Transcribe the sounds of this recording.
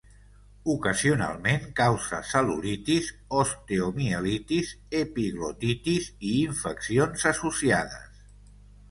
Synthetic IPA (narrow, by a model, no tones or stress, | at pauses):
ukəziuna̰lˠmeŋkawzə̰səlṵlit̪iz | ost̪eomielit̪izepiɣlot̪it̪iziːɱfəksionzəsusiaðə̰s